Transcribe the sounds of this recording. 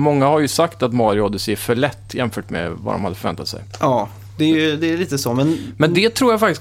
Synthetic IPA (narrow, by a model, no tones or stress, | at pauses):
mɔŋːahaɾjɵsakt̪at̪mɑːɾɪɔd̪ɪsɪfœɭɛt̪ːjɛmfœːʈmɛ̰va̰d̪ɔ̰mhad̪əfœɾvɛnt̪ʰat̪sɛ̰jʔɑː | d̪ɛjd̪ɛːliːt̪əsɔmɛnmɛnd̪ɛt̪ʰɾuːɾjafak̚t̪ɪs